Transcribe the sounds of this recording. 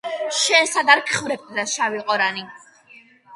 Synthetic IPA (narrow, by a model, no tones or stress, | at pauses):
ʃɛnsad̪aɾkʰχvɾɛp̚t̪ʰd̪aʃaviqʼɔɾani